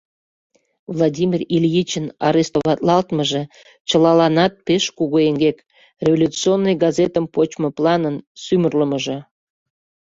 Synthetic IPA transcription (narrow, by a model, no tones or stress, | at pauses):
vlˠɑdʲimʲiriljit͡ɕənɑɾest̪oβɑt̪lɑlt̪məʒĕ | t͡ɕəlɑlɑnɑt̪̚peʃkuɣoeŋɡek | rʲevolʲut͡sionːəjɡɑzet̪əmpot͡ɕməplˠɑnənsymərləməʒĕ